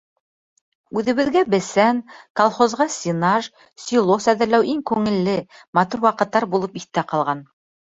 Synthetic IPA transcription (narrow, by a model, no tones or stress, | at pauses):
ʉðɘ̆βɘ̆ðɡæbɘ̆sænkolˠχozʁɑsʲinɑʒ | sʲilˠosæðɘ̆ɾlæwiŋkʉŋɘ̆lːɘmɑt̪uɾwɑqɤ̆t̪ːɑɾbulˠɤpiθt̪æqɑlˠʁɑn